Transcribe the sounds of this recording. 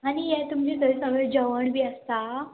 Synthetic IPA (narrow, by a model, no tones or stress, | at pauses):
aɽ̃ijɛt̪umd͡ʑesəɾsəɡɭed͡ʑəʋəɳbʱiːəst̪a